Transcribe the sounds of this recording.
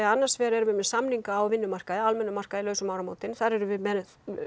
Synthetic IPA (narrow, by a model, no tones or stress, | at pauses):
anːḁsvɛːɾɛɾʏvɪmɛsamniŋkaːwvɪnːʏmar̥kaðɪalmɛnːʏmar̥kaðilœːɥsʏmawɾamoːwt̪ɪnθaɾɛɾʏvɪðmɛ